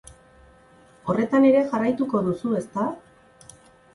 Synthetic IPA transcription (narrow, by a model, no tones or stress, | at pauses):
o̞re̞t̪ane̞ɾe̞ʝarajt̪uko̞ðusue̞st̪a